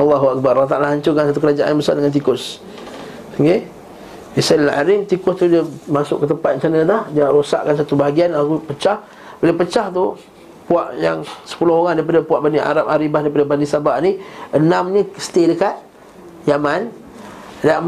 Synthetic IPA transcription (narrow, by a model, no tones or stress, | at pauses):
ɑlːɑɦuak̚baɾakwat̪aalaɦaɲt͡ʃʊkansat̪ukəɾad͡ʒaʔa̰nməsa̰ldəŋant̪̬ikʊs | əŋɡe | isanilaʔa̰ɾɪmt̪ikʊst̪udəmasʊ̰ʔkːət̪əmpat̪̚t͡ʃanət̪ahd͡ʒaɾosa̰ʔkansat̪ubaɦaɡianakupət͡ʃah | bələpət͡ʃaht̪u | puaʔja̰ŋsə̥pulʊhoŋandaipadapuaʔbaniʔa̰ɾap̚aɾibahdaip̬adəbanisabaʔniənamniəsə̥t̪edəkat̪̚ | jaman | daʔ